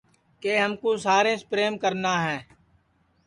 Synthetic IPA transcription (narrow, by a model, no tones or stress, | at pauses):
keːɦəmkoːsaːɾẽːspɾeːmkəɾnaːɦɛː